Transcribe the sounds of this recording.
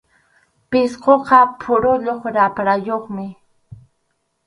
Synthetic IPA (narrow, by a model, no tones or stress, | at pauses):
pɪsqoqɑpʰʊɾʊʎoχɾapɾajoχmɪ